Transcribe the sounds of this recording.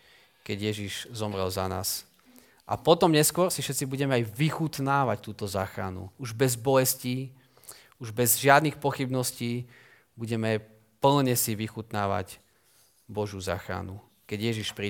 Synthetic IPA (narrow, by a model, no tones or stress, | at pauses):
kɛɟjɛʒiʒzɔmɾɛ̰lzana̰ːs | ʔa̰pɔt̪ɔmɲɛskʊɔɾsifʃɛt̪t͡sibuɟɛmɛajʋixut̪naːʋact̪uːt̪ɔzaːxɾa̰nṵuʒbɛzbɔjɛsciː | uʒbɛzʒɪad̪niːxpɔxibnɔsciː | buɟɛmɛ | pl̩ɲɛsiʋixut̪naːʋa̰c | bɔʒjuza̰ːxɾa̰nu | kɛɟjɛʒiʃpɾi